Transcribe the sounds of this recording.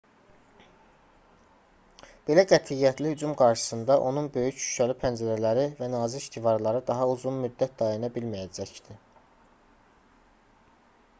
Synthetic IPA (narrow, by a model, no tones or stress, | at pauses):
b̥e̞læɡæt̪ʰijːæt̪ʰlihyd͡ʒumɡɑɾʃɯ̥sɯnd̪ɑʔo̞nunbø̞jycʃy̥ʃʰælipʰænd͡ʒæɾælæɾivænɑːziiʃt̪ʰivɑɾlˠɑɾɯd̪ɑɦɑuzunmyd̪ːæt̪̚d̪ɑjɑnɑbilmæjæd͡ʒæcd̪̥i